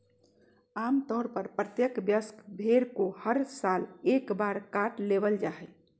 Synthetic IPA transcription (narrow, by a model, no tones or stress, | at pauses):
aːmt̪ɔːɾpəɾpɾət̪jəkbjəskbʱeɾkohəɾsalekbaɾkaʈlebəld͡ʒaɦɛ